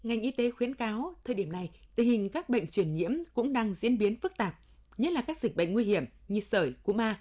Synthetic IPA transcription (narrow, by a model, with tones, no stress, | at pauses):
ŋa˨˩jŋ̟ʔi˧t̪e˨˦xwi˧˥ənkaː˨˦wt̪ʰəː˧jɗi˧˩əmna˨˩jt̪ï̟˨˩hï˨˩ŋ̟kaː˦˥k̚ɓə̰˧˨jŋ̟t͡ɕwi˧˩ənɲḭ˧˥əmkʊ̰˧˥ŋ͡mɗaː˧ŋzḭ˧˥ənɓi˨˦ənfɨ˦˥k̚t̪aː˨˩p̚ɲə˦˥t̚laː˨˩kaː˦˥k̚zï̟˨˩ɓə̰˧˨ŋŋwi˧hi˧˩əmɲɨ˧səː˧˩jku˧˩əmaː˧